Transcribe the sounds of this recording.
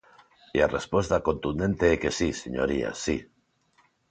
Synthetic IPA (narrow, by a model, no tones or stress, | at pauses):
iarespwest̪ako̞nt̪und̪ẽnt̪eekesiseɲo̰ɾia̰si